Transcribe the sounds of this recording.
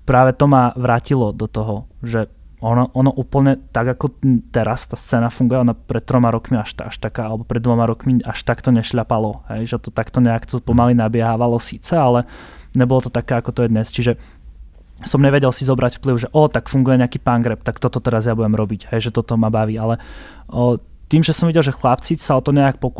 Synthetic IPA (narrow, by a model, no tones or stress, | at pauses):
pɾaːʋɛt̪ɔmaʋɾaːcilɔd̪ɔt̪ɔɦɔʒɛ | ɔnɔʔɔnɔʔuːpl̩ɲɛt̪aɡakɔt̪ɛɾʔast̪aːst͡sɛːnafuŋɡujɛɔnapɾɛt̪̚t̪ɾɔmaɾɔkmiaʃa̰ʃt̪akaːalɛbɔpɾɛd̪d̪ʋɔmaɾɔkmiaʃt̪akt̪ɔɲɛʃʎapalɔɦɛ̰jʒɛt̪ɔt̪akt̪ɔɲɛakt̪ɔpɔmalinabɪɛɦaːʋalɔsiːt͡sɛalɛɲɛbɔlɔt̪ɔt̪akɛːakɔt̪ɔjɛd̪ɲɛst͡ʃiʒɛ | sɔmɲɛʋɛɟɛlsizɔbɾacfpliʊʒɛʔɔt̪akfuŋɡujɛɲɛakiːpaŋɡɾɛp̚t̪akt̪ɔt̪ɔt̪ɛɾazjabuɟɛmɾɔbiɟɦɛjʒɛt̪ɔt̪ɔmabaʋiːalɛ | t̪iːmʒɛsɔmʋiɟɛlˠʒɛxlapt͡sit͡ssaɔt̪ɔɲɛak̚pɔk